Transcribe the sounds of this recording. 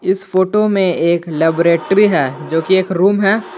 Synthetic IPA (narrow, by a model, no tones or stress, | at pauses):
ɪsfoːʈomẽeːkleːbɾeːʈɾiɦɛːd͡ʒoːkieːkɾuːmɦɛː